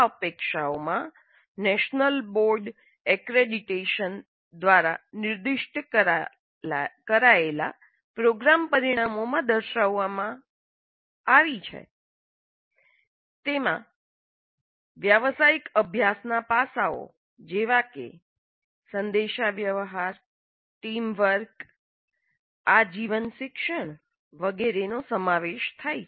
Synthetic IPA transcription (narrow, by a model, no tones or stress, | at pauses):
əpekʃaomã | nɛʃnəlboɾɖ | ɛkɾeɖiʈeʃən | d̪ʋaɾanɪɾd̪ɪʃʈ | kəɾaela̰ | pɾoɡɾampəɾiɽ̃amomãd̪əɾʃaʋːamã | aʋit͡ʃʰḛ | t̪emã̰ | ʋjəʋsaikəbʱjasnapasao̰ | d͡ʒeʋakḛ | sənd̪eʃaʋjəʋɦaɾ | ʈimʋəɾk | ad͡ʒiʋənʃɪkʃəɳ̃ | ʋəɡeɾenosəmaʋeʃt̪ʰaj